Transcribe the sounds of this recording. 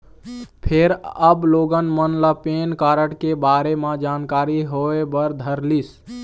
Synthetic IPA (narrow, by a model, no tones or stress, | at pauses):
pʰeɾəbloɡənmənləpenkaɾəʈkebaɾemãd͡ʒankaɾiɦoebəɾd̪ʱəɾlis